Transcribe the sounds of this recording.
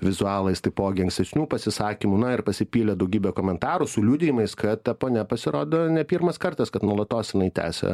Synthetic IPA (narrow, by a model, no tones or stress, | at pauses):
ʋʲɪzʊɑːlˠɐɪst̪ɐɪpoːɡʲɪɐ̃ŋksʲt̪ʲɛsʲnʲuːpɐsʲɪsɑːkʲimuːnɐɪrpɐsʲɪpʲiːlʲɛd̪ɐʊɡʲiːbʲeːkoːmʲɛnt̪ɑːɾʊsʊlʲuːd̪ʲɪjɪmɐɪskɐt̪ʲɛpoːnʲɛpɐsʲɪɾoːd̪oːnʲɛpʲiːɾmɐskɐrt̪ɐskɐt̪nuɔlˠɐt̪oːsjɪnɐɪt̪ʲæ̰ːsʲɛ̰